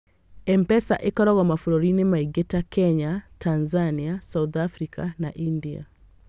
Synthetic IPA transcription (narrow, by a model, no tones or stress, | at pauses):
ɛmpɛsa̰ʔekɔɾɔɣɔmafuɾɔɾinemaiɡetakɛɲatʰanzaniasauðafɾikanaʔindia̰